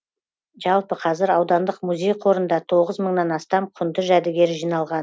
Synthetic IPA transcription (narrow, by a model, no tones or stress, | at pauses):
ʒɑlˠpəqʰɑzɪɾɑwd̪ɑnd̪əqmuzʲe̞jqʰo̞ɾənd̪ɑt̪ʰo̞ʁəzməɴnɑnɑst̪ɑmqʰʊnd̪əʒæd̪ɪɡʲe̞ɾʒijnɑlˠʁɑn